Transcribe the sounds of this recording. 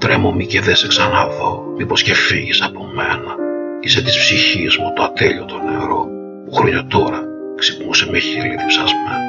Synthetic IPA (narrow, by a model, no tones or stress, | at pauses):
t̪ɾemo̞miceðeseksɐnɐðo̞mipo̞sce̞fiʝisɐpo̞me̞̰nɐiset̪i̥spsiçizmut̪oat̪eʎiot̪o̞neɾo̞ | puxɾoɲot̪o̞ɾɐ | ksipnusemeçiliðipsɐzme